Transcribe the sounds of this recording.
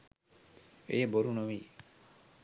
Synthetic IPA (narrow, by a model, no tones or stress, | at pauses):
ḛjeboɾunoʋiː